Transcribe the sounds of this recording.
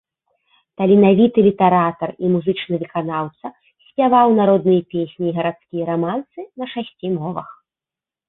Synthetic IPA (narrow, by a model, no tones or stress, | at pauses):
t̪ɐlʲinavʲit̪ɨlʲit̪ɛɾat̪ɐrimuzɨt͡ʂnɨvɨkan̪awt̪sɐ | sʲpʲjavawnaɾɔd̪nɨjɐpʲesʲnʲiːɣɐɾat̪skʲijɐɾamant̪sɨnɐʂasʲt͡sʲimɔvɐ̰x